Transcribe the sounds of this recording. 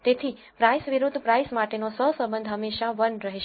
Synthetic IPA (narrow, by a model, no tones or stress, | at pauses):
t̪et̪ʰi | pɾajsʋiɾʊd̪ʱːpɾajsmaʈenosəɦsə̃mbənd̪ʱɦəmːeʃaʋənɾəɦeʃe